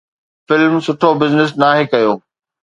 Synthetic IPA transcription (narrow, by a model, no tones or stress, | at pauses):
fɪlmsʊʈʰobɪznɪs̬naːɦekɐjoː